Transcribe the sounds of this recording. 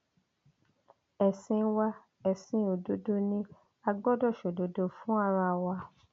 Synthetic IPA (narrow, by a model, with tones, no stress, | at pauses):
ɛ˨sĩ˧˦wa˧ | ɛ˨sĩ˧o˨do˨˦do˦nĩ˦ | a˧ɡ͡bɔ˦dɔ˦˨ʃo˨do˨do˧fũ˦a˦˧ɾa˧˨wa˧